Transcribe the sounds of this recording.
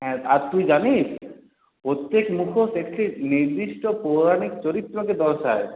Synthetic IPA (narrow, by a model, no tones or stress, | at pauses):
ɦɛ̃aɾt̪ujd͡ʑaniʃ | pɾot̪jekmukʰosekʈʰiniɾd̪iʃʈopoɾanikt͡ɕoɾit̪ːɾoked̪ɔɾʃae